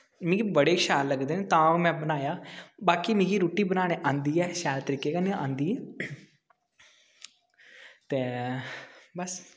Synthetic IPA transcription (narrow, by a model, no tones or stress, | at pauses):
mɪ̃ːɡiːbəɽeːʃaːlːəɡd̪eːneːt̪ãːmɛ̃ːbənaːjaːbaːkiːmɪ̃ːɡiːɾoːʈiːbənaːɽ̃ẽːʔãːnd̪iːɛːʃɛːlt̪əɾiːkeːkənẽːʔãːnd̪iːɛː | t̪eː | bəs